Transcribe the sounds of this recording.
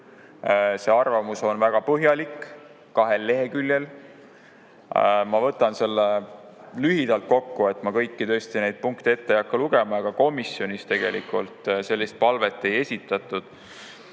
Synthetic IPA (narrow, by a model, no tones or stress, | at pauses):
se̞ɑrvɑmuso̞nvæɡ̥ɑpɤɦjɑlikː | kɑɦe̞lːe̞ɦe̞kylʲje̞l | mɑvɤ̞t̪ːˑɑnse̞lːelyɦid̪ɑlt̪̚ko̞kːue̞t̪ˑmɑkɤ̞jkːit̪ø̞ːst̪ine̞jd̪̥̚puŋkt̪ee̞t̪ːejɑkːɑluɡe̞mɑɑɡ̥ɑko̞misjo̞nist̪e̞ɡ̥e̞likˑult̪ˑse̞lʲːist̪̚pɑlve̞t̪ːˑe̞je̞sʲit̪ːˑɑt̪ːˑud̪̥